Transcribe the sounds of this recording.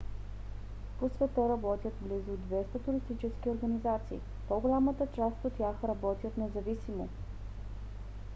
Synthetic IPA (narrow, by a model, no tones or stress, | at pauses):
posvɛt̪əɾɐbɔt̪ʲjət̪blizʊd̪vɛst̪ət̪ʊɾist̪it͡ʃɛskʲioɾɡɐnizat̪sḭː | poɡolʲamət̪ət͡ʃast̪ot̪ːjaxɾɐbɔt̪ʲət̪nɛzɐvisimo